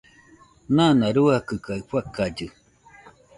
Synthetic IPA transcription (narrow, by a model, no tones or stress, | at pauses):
nanãɾuakɨkaiɸʷakad͡ʒɨ